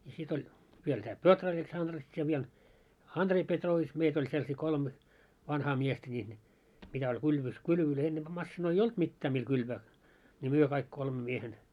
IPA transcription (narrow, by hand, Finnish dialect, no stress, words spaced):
jɑ sit olʲ ʋiel tæː petroʋets ɑndrets jɑ ʋiel ɑndrei petroːʋits meit olʲ selsiː kolme ʋɑnhɑː miestæ nʲiːn mitæ olʲ kylʋys kylʋøløi enːemb̥æ mɑsːinoi olt mitːæː mil kylʋæː nʲi myø kɑik kolme miehen